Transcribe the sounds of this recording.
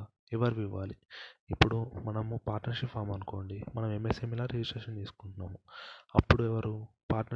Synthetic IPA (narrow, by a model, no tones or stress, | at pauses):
ɛʋɐɾiʋiʋːaːliːpːuɽumɐnɐmupaːɾʈnɐɾʂipʰːaːɾmɐnuko̞ːɳɖimɐnɐmemːeseːmilaːɾid͡ʒisʈeːʂɐnt̪iːsu̥kuɳʈunːaːmuɐpːuɽuɛʋɐɾupaːɾʈnɐ